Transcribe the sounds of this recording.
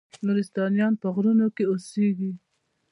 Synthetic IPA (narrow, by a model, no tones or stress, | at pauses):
nuɾist̪ɑnjɑnpəɣɾunokeoseɡi